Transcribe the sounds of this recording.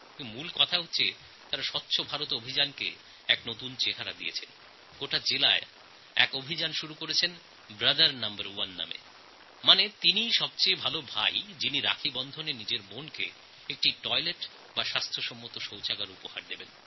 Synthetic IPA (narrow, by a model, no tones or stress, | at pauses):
mulkɔt̪ʰaɦot̪ːɕʰe | t̪aɾaʃɔtːɕʰobʱaɾot̪obʱid͡ʑankḛ | ɛknot̪unt͡ɕeʈʰaɾa̰d̪ḭḛt͡ɕʰen | ɡ̥oʈad͡ʑelae | ɛ̰kobʱid͡ʑanʃuɾukoɾet͡ɕʰen | bɾad̪aɾnambaɾuanːa̰mḛ | manet̪iniʃɔbt͡ɕejbʱalobʱa̰jd͡ʑiniɾa̰kʰibɔnd̪ʱonenid͡ʑeɾbonkḛ | ek̚ʈiʈɔjleʈ | baʃast̪ʰɾoʃɔmːot̪oʃowt͡ɕaɡaɾupohaɾd̪eben